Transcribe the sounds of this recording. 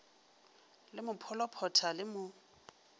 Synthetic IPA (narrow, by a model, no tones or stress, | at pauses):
lɪmʊpʰɔlɔpʰɔtʰalɪmʊ